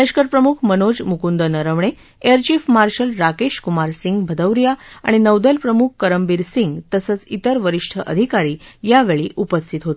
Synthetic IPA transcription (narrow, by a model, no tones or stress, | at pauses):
əɕkəɾpɾəmukʰmənod͡zmukund̪ənəɾəʋɳ̃e | eəɾt͡ɕifmaɾɕəlɾakeɕkumaɾsiŋɡbʱəd̪əʋɾijaa̰ɽ̃inəwd̪əlpɾəmukʰkəɾəmbiːɾsiŋɡt̪əsət͡sit̪əɾʋəɾiʂʈʰəʔə̰d̪ʱikaɾiːjaʋeɭiːʔupəst̪ʰit̪ɦot̪